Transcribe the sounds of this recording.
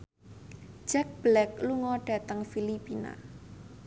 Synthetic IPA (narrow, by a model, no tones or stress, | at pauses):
ʒ̥ɛk̚b̥lɛk̚luŋɔɖ̥a̤t̪əŋfilipina̰